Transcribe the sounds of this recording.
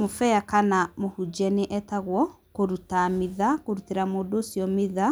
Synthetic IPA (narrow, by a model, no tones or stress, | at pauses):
mofɛjakanamohud͡ʒɛneʔɛtaɣwɔ | koɾutamiðakoɾuteɾamoːdoːsjɔmiða